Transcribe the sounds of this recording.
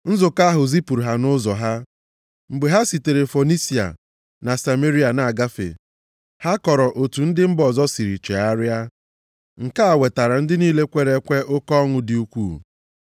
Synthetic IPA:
n̩˦zʊ˨ka˦ɦʊ˨zi˦pu˨ɾɦa˨nʊ˦zɔ˨ɦa˦ | m̩˨ɡ͡be˨ɦa˦si˨te˨ɾe˨fo˨ni˦si˨a̰˨ | na˨sa˨me˦ɾi˦a˨na˨ɡa˦fḛ˨ | ha˦kɔ˨ɾɔ˨ʔo˨tu˨n̩˦dɪ˦m̩˦bɔ˨zɔ˦si˨ɾi˨t͡ʃe˨a˦ɾɪ˦a˦ | ŋ̩˨ka˦a˨we˨ta˨ɾa˨n̩˦dɪ˦niː˦le˦kʷe˦ɾe˦kʷe˦ʔʊ˦kɔ˦ŋʊ˦dɪ˨u˦kʷuː˦˨

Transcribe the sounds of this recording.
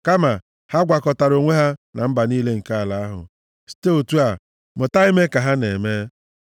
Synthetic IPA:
ka˦ma˨ | ha˦ɡʷa˨kɔ˨ta˨ɾo˨ŋʷe˦ɦa˦na˨m̩˦ba˨niː˦le˦ŋ̩˨ka˦a˨la˨a˦ɦʊ̰˨ | si̥˦te˦o˨tu˦a˨ | mʊ˨ta˦i˦me˦ka˨ɦa˦nḛ˨me˦

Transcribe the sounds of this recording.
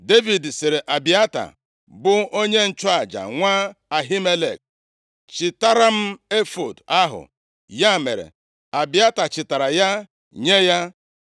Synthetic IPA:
de˦vi˨dse˨ɾe˨ʔa˨bi˨a˦ta̰˨ | bʊ˦o˦ɲe˦n̩˨t͡ʃʊ˦a˨d͡ʒa̰˨ŋʷaː˦a˨ɦi˦me˦lḛ˨k̚ | t͡ʃɪ˨ta˦ɾa˦m̩˦e˦fo˨da˦ɦʊ̰˨ | ja˦˨mḛ˨ɾḛ˨ | a˨bi˨a˦ta˨t͡ʃɪ˨ta˨ɾa˨ja˦ | ɲe˦ja˦

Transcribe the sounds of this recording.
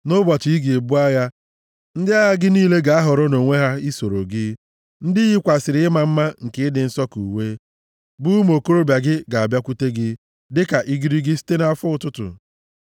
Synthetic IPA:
nʊ˦ba˨ti˨i˦ɡe˨e˨bu˦a˦ja˦ | n̩˦dɪ˦a˦ja˦ɡɪ˦niː˦le˦ɡa˨a˦ɦʊ˨ɾɔ˦no˨ŋʷe˦ɦa˦i˦so˨ɾo̰˨ɡɪ˦ | n̩˦dɪ˦ɣi˦kʷa˨sɪ˨ɾɪ˦ɪ˦ma˨m̩˦ma˦ŋ̩˨ke˦ɪ˦dɪ˨n̩˦sɔ˦ku˨we˦ | bʊ˦m˦o˨ko˦ɾo˦bja˨ɡɪ˦ɡa˨a˨bja˦kʷu˦te˦ɡɪ˦ | dɪ˦ka˨ʔi˦ɡi˦ɾi˦ɡɪ˦si̥˦te˦na˦fʊ˦ʊ˨tʊ˦tʊ̰˨

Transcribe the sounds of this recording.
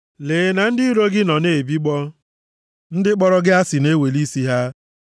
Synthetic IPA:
leː˨na˨n̩˦dɪ˦ɾo˦ɡɪ˦nɔ˨ne˨bi˦ɡ͡bɔ˦ | n̩˦dɪ˦k͡pɔ˦ɾɔ˦ɡɪ˦a˦sɪ˨ne˦we˨li˦si˦ɦa˦

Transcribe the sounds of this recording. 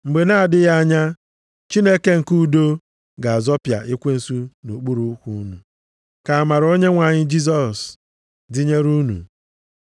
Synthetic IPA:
ŋ͡m̩˨ɡ͡be˨na˦a˨dɪ˦ɣa˦a˦ɲa˦ | t͡ʃi˦ne˦ke˦ŋ̩˨ku˦do˦ | ɡa˨a˨zɔ˦pja̰˨ʔi˦kʷe˦n̩˦su˦nu˨k͡pu˦ɾu˦kʷu˦nṵ˨ | ka˨a˨ma˨ɾo˦ɲe˦ŋʷa˨ɲɪ˦d͡ʒi˦zɔ˨s | di˦ɲe˦ɾu˦nṵ˨

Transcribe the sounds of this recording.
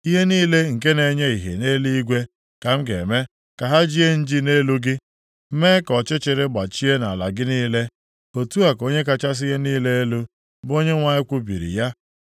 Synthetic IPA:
i˦ɦe˦niː˦le˦ŋ̩˨ke˦ne˨ɲe˦i˨ɦḛ˨ne˦li˦i˦ɡʷe˦ | ka˨m̩˦ɡe˨me˦ | ka˨ɦa˦d͡ʒi˦e˦n̩˦d͡ʒi˦ne˦lu˦ɡɪ˦ | me˦kɔ˨t͡ʃɪ˦t͡ʃɪ˨ɾɪ˦ɡ͡ba˨t͡ʃi˦e˦na˨la˨ɡɪ˦niː˦le˦ | o˨tu˦a˨ko˦ɲe˦ka˦t͡ʃa˦s̬i˦ɦe˦niː˦le˦e˦lu˦ | bo˦ɲe˦ŋʷa˨ɲɪ˦kʷu˦bḭ˨ɾḭ˨ja˦

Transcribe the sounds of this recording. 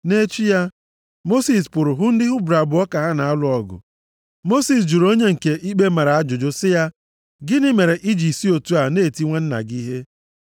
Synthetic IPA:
ne˦t͡ʃu˦ja˦ | mo˦si˨spʊ˨ɾʊ˨ɦʊ˦n̩˦dɪ˦ɦʊ˦bɾa˨bʊ˨ɔ˦ka˨ɦa˦na˨a˦lʊ˦ɔ˦ɡʊ̰˨ | mo˦si˨s̬d͡ʒu˨ɾo˦ɲe˦ŋ̩˨ke˨ʔi˦k͡pe˦ma˨ɾa˨a˦d͡ʒʊ˨d͡ʒʊ˦sɪ˦ja˦ | ɡɪ˦nɪ˦me˨ɾe˨ʔi˦d͡ʒi˨si˦o˨tu˦a˨ne˦˨ti˦ŋʷe˦n̩˦na̰˨ɡi˦ɦe˦

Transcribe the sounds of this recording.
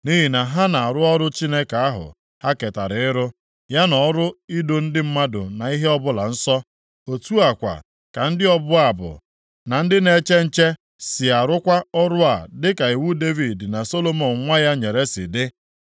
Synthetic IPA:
ni˦ɦi˨na˨ɦa˦na˨a˨ɾʊ˦ɔ˦ɾʊ˦t͡ʃi˦ne˦ka˨a˦ɦʊ̰˨ | ha˦ke˨ta˨ɾɪ˨ɪ˦ɾʊ˦ | ja˦nɔ˨˦ɾʊ˦i˦do˦n̩˦dɪ˦m̩˦ma˦dʊ̰˨na˨i˦ɦe˦ɔ˦bʊ˦la̰˨n̩˦sɔ˦ | o˨tu˦a˨kʷa̰˨ | ka˨n̩˦dɪ˦ɔ˦bʊ˦a˨bʊ̰˨ | na˨n̩˦dɪ˦ne˦t͡ʃe˦n̩˦t͡ʃe˦ | sɪ˨a˨ɾʊ˦kʷa˦ɔ˦ɾʊ˦a˨dɪ˦ka˨i˨wu˦de˦vi˨dna˨so˦lo˦mo˨nŋʷa˦ja˦ɲe˨ɾe˦sɪ̰˨dɪ˦

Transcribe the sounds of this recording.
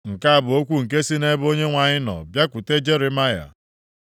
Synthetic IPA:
ŋ̩˨ka˦a˨bʊ˨o˦kʷu˦ŋ̩˨k̬e˦si˦ne˦bo˦ɲe˦ŋʷa˨ɲɪ˦nɔ̰˨bja˦kʷʊ˨te˦d͡ʒe˦ɾe˨ma˦ja̰˨

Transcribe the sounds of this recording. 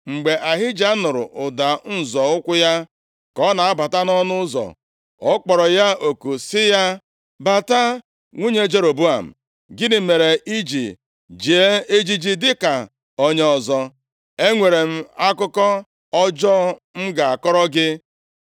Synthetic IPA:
ŋ͡m̩˨ɡ͡be˨ʔa˨ɦɪ˦d͡ʒa˦nʊ˨ɾʊ̰˨ʔʊ˨da˨n̩˨zɔ˨ʊ˦kʷʊ˦ja˦ | kɔ˦na˨a˦ba˨ta˦nɔ˦nʊ˦zɔ̰˨ | ɔ˦k͡pɔ˨ɾɔ˨ja˦o˨ku˨sɪ˦ja˦ | ba˨ta˦ | ŋʷu˦ɲe˦d͡ʒe˦ɾo˨bu˦a̰˨m̩̰˨ | ɡɪ˦dɪ˦me˨ɾe˨ʔi˦d͡ʒi˨ | d͡ʒi˨e˦e˦d͡ʒi˦d͡ʒi˦dɪ˦ka˨ | o˦ɲe˦ɔ˨zɔ˦ | e˦ŋʷe˨ɾe˨m̩˦a˦kʊ˦kɔ˦ | ɔ˦d͡ʒɔ˦m̩˦ɡa˨a˨kɔ˦ɾɔ˦ɡɪ˦

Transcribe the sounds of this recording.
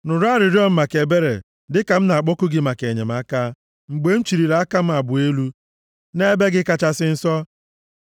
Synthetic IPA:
nʊ˨ɾa˦ɾɪ˨ɾjɔ˦m̩˦ma˨ke˨be˦ɾḛ˨ | dɪ˦ka˨m̩˦na˨a˨k͡pɔ˦kʊ˦ɡɪ˦ma˨ke˨ɲe˨m̩˦a˦ka˦ | ŋ͡m̩˨ɡ͡be˨n̩˦t͡ʃi˨ɾi˨ɾa˨˦ka˦m̩˦a˨bʊ˨e˦lu˦ | ne˦be˦ɡɪ˦ka˦t͡ʃa˦sɪ˦n̩˦sɔ˦

